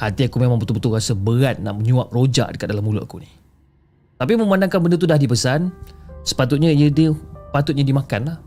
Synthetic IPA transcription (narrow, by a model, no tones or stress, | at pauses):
hat̪iakumemãŋpət̪upət̪uɣasəbəɣat̪̚na̰ʔməɲuap̚rod͡ʒa̰ʔdəkat̪̚dalamuluʔa̰kuni | t̪apimə̃mandaŋkanbəndət̪̬udahdipəsansə̥pat̪ʊt̪̚ɲajədəpat̪ʊt̪̚ɲadimakanlah